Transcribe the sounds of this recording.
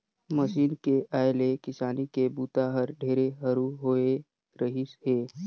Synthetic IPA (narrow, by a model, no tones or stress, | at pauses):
məʃiːnkeʔaːjlekɪsaːnikebuːt̪aɦəɾɖʱeːɾeɦəɾuɦoːe | ɾəɦisheː